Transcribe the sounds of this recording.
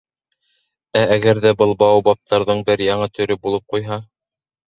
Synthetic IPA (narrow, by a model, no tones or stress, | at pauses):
ææɡæɾðæbɤlˠbɑwbɑp̚t̪ʰɑɾðɤɴbɘɾjɑɴɤt̪ɵ̆ɾɵbulˠɤp̚qujɦɑ